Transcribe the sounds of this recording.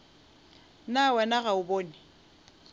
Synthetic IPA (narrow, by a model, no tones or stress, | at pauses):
nawɛnaɣaʊboːnɪ